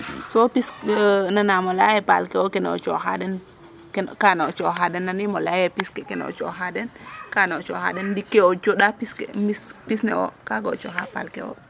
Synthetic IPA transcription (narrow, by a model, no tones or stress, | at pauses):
sopisnanamolajɛpa̰lkɛwɔkɛnɔ̰t͡ʃɔ̰ɦa̰dɛn | kɛkanaɔt͡ʃɔɦadɛnːanimɔlajɛpiskɛkɛnɔ̰t͡ʃɔ̰ɦadɛnkanaɔt͡ʃɔ̰ha̰ɗɛndikːeɔt͡ʃoɗapiskemispisnɛ̰wɔ̰kaɡɔ̰t͡ʃɔ̰ɦapa̰lkɛ̰wɔ̰